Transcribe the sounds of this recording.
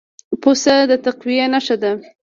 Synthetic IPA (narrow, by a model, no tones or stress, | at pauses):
posad̪ət̪aqwijenaʃad̪a